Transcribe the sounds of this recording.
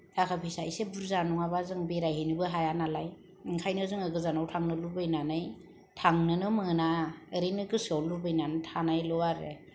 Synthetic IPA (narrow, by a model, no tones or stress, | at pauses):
tʰakʰapʰisajsebuɾzanɔŋabazɯŋbeɾajɦenibɯɦajanalaj | iŋkʰajnɯzɯŋɯɡɯzanawtʰaŋnɯlubɯjnanɯj | tʰaŋnɯnɯmɯnaɯɾejnɯɡɯsɯawlubɯjnanɯtʰanajlɔwaɾe